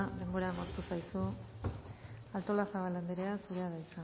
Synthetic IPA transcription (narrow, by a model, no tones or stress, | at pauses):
d̪e̞mbo̞ɾamaɾt̪usajsu | alt̪o̞lasaβaland̪eɾeasuɾe̞aðaisa